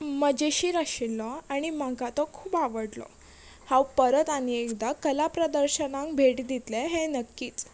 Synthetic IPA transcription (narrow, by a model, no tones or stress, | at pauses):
məd͡ʑeɕiːɾaɕilːɔaɽ̃imãɡat̪ɔkʰuːbaʋəɽlɔ̰ | hãwpəɾət̪aniekd̪akəlapɾəd̪əɾɕənãŋkbʱeʈd̪it̪leɦẽnəkːiːt͡s